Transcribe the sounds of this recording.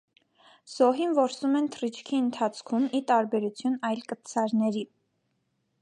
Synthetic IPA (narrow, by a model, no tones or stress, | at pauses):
z̥ɔɦinvɔɾsumɛnt̪ʰərit͡ʃʰkʰiənt̪ʰɑt͡sʰkʰumit̪ɑɾbɛɾut͡sʰjunɑjlkət̪sʰɑɾnɛɾi